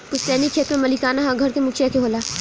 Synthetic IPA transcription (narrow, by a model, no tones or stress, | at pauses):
kʊt͡ʃʰsɛːnikʰeːt̪mẽmɐlikaːnaɦãɡʱɐɾkemʊkʰijakeɦoːlaː